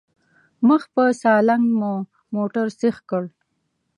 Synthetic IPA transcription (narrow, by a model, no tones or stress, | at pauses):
məxpəsɑlaŋɡmu | moʈaɾsexkəɽ